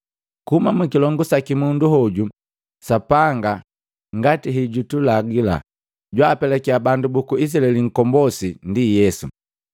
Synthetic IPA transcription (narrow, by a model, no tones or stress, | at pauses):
kuhumamukilɔŋɡusakimunduɦɔɟu | sapaŋɡa | ŋɡatiɦiɟutulaɡila̰ | ɟwaːpɛlɛkiabandubukuis̬alɛliŋ̩kɔmbɔsindijɛsṵ